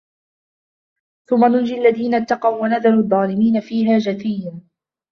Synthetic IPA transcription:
θʊmːanʊnd͡ʒialːaðiːnat̪ːɑqɑwwanaðaɾuðˤːɑːlɪmiːnafiːɦaːd͡ʒaθɪjːaː

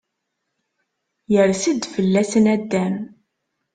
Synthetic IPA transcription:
jəɾsid̪fəlːæsənæd̪ːæm

